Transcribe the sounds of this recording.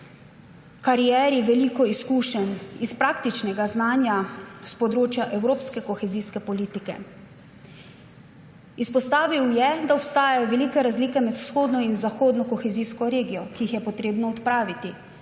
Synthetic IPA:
kaɾijɛːɾiʋɛlikɔiskuːʃɛnispɾaːkt̪it͡ʃnɛɡaznaːnjaspɔd̪ɾoːt͡ʃjaʔɛwɾoːpskɛkɔxɛziːskɛpɔliːt̪ikɛ̰ | ispɔst̪aːʋiwjɛd̪aɔpst̪aːjajɔʋɛliːkɛɾazliːkɛmɛt̪w̥sxoːd̪nɔinzaxoːd̪nɔkɔxɛziːskɔɾeːɡijɔkiixjɛpɔt̪ɾeːbnɔɔt̪pɾaːʋit̪i

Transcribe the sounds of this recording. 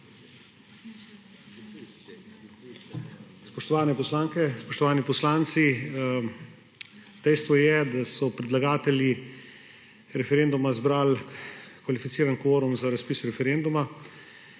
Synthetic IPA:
spɔʃt̪ɔʋaːnɛpɔslaːŋkɛspɔʃt̪ɔʋaːnipɔslaːnt̪si | d̪ɛjst̪ʋɔjɛd̪asɔpɾɛd̪laɡaːt̪ɛlji | ɾɛfɛɾend̪umazbɾaːlkʋalifit̪iːɾanɡɔʋoːɾɔmzaɾaspiːsɾɛfɛɾend̪uma

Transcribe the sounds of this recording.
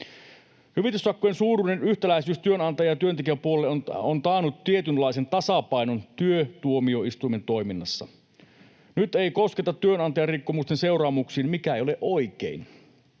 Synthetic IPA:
hyʋit̪ysːɑkːojensuːɾunenyht̪ælæisyːst̪yønɑnt̪ɑjɑjɑt̪yønt̪ek̬iʋæpuolelːeonont̪ɑːnut̪tiet̪ynlɑise̞nt̪ɑsɑpɑijnont̪yøt̪uomio̞ist̪uijme̞nt̪o̞iminːɑsːɑ̰ | nyt̪eikoske̞t̪ɑt̪ːyønɑnt̪ɑjɑrikːomust̪ense̞uwrɑːmuksiːnmikæejoleʔoikḛin

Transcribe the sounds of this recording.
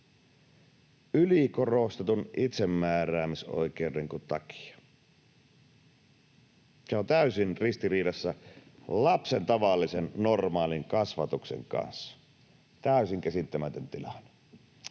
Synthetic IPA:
ylikorost̪et̪unʔit̪semːæːræːmiso̰ikeudeŋkut̪t̪ɑ̰ki̥ɑ̥ | seont̪æysinrist̪iriːdɑsːælɑpsent̪ɑʋɑlːisennormɑːliŋkɑsʋɑt̪uksḛŋkɑ̰nsːɑ̥ | t̪æˑysiŋkæsit̪ːæmæt̪ønt̪ilɑn̥

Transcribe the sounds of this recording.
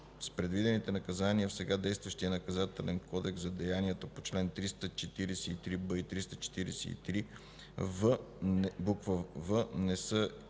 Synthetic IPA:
spɾɛd̪vid̪ɛnit̪ɛnɐkɐzaniəfsɛɡad̪ɛjst̪vɐʃt̪ijənɐkɐzat̪ɛlɛnkɔd̪ɛksɐd̪ɛjaniɛt̪opot͡ʃlɛnt̪ɾist̪ət͡ʃɛt̪iɾɛsɛit̪ɾibəit̪ɾist̪ət͡ʃɛ̥t̪iɾɛsɛ̰ḭt̪ɾi | və | bukvəvənɛsə

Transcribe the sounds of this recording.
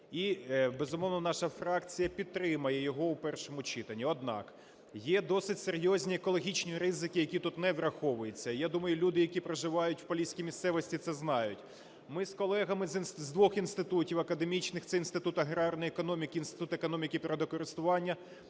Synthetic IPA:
ibezʊmɔʋnɔnɑʃɐfɾɑkt͡sʲijɐpʲid̪̚t̪ːɾɪmɐjɛjɔɦɔwpɛrʃɔmʊt͡ʃit̪ɐnʲːiɔd̪̚nɑ̰k | jɛd̪ɔsɪtʲseɾʲjɔzʲnʲiekɔlˠɔɦʲit͡ʃnʲiɾɪzɪkɪjɐkʲit̪ut̪nɛʋɾɐxɔʋʊjet͡sʲːɐijad̪umɐjʊlʲud̪ɪjɐkʲipɾeʒɪʋɑjʊtʲwpɐlʲisʲkʲijmʲist̪sɛʋɔsʲtʲit̪sɛznɑjʊtʲ | mɪskɔlˠɛɦɐmɪzʲnzd̪ʋɔxinst̪ɪt̪utʲiwɐkɐd̪e̞mʲit͡ʃnɪxt̪sɛinst̪ɪt̪ut̪ɐɦɾɑrnɔjekɔnɔmʲikʲiinst̪ɪ̥t̪ut̪ekɔnɔmʲikɪpɾɐd̪ɔkɔɾɪst̪ʊʋɑnʲːɐ

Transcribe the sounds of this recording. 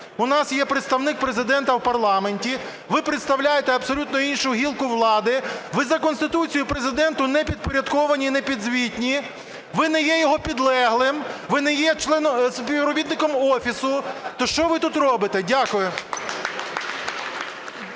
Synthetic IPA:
ʊnɑsjɛpɾet̪st̪ɐwnɪk̚pɾezɪd̪ɛnt̪ɐwpɐrlˠɑmenʲtʲi | ʋɪpɾet̪st̪ɐwlʲajet̪ɛɐpsɔlʲut̪nɔinʃʊɦʲilˠkʊʋlˠɑd̪ɪʋɪzɐkɔnst̪ɪt̪ut͡sʲijʊpɾe̞zɪd̪ɛnt̪ʊnɛpʲid̪̚pɔɾʲɐd̪kɔʋɐnʲinɛpʲid̪zʋʲitʲnʲi | ʋɪnɛjɛjɔɦɔpʲid̪lˠɛɦlˠɪmʋɪnɛjɛt͡ʃlˠɛnɔspʲiʋɾɔbʲit̪nɪkɔmɔfʲisʊt̪ɔʃt͡ʃɔʋɪt̪ut̪rɔbɪt̪ɛdʲakʊjʊ

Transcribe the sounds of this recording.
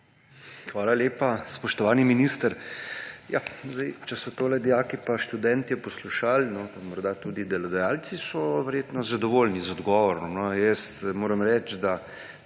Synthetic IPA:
xʋaːlaleːpaspɔʃt̪ɔʋaːniminist̪əɾ | ja̰zd̪ɛjt͡ʃɛsɔt̪oːlɛd̪ijaːkipaʃt̪ud̪ɛnt̪iɔpɔsluʃalnɔamɔɾd̪at̪uːd̪id̪ɛlɔd̪ɛjaːlt̪sisɔʋɛɾjeːt̪nɔzad̪ɔʋoːlnizɔd̪ɡɔʋɔɾɔmnɔjəst̪moːɾəmɾɛt͡ʃd̪a

